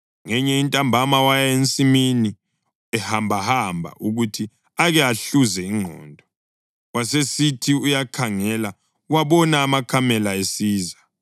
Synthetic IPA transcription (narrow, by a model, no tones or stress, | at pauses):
ŋɛɲɛintʼambʱamawajent͡sʼimini | ɛhambʱahambʱa̰ʔuɣutʰi | aɣɛaɬuzɛiŋŋ͡ǃʱɔ̰ːndʱɔ | wasesitʰiujakʰaŋɛla | uwaβɔnaːmakʰamɛlaesiːza